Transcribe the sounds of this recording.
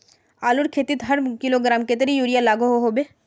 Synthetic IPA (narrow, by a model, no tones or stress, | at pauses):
aːluɾkʰeːt̪it̪ɦɐɾkiloɡɾaːmket̪əɾijuːɾijalaːɡoɦoɦoːbeː